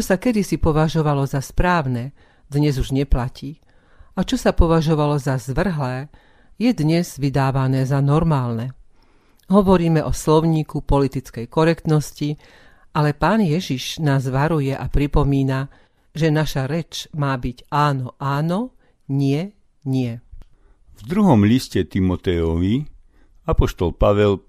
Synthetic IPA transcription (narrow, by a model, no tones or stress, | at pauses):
t͡ʃɔsakɛd̪isipɔʋaʒɔʋalɔzaspɾaːʊnɛ | d̪ɲɛzuʒɲɛplaciː | ʔat͡ʃɔsapɔʋaʒɔʋalɔzazʋr̩ɦlɛː | jɛd̪ɲɛz̥ʋid̪aːʋanɛːzanɔɾmaːlnɛ | ɦɔʋɔɾiːmɛʔɔslɔʊɲiːkupɔlit̪it͡skɛjkɔɾɛkt̪nɔsci | ʔalɛpaːnjɛʒiʃnaːzʋaɾujɛʔapɾipɔmiːna | ʒɛnaʃaɾɛt͡ʃmaːbiɟaːnɔʔaːnɔ | ɲɪɛ | ɲɪɛ | vd̪ɾuɦɔmʎiscɛt̪imɔt̪ɛɔʋi | apɔʃt̪ɔlpaʋɛl